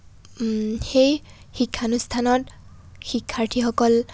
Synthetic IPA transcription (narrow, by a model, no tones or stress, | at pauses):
xej | xikʰːanust̪ʰanɔt | xikʰːaɹtʰixɔkɔl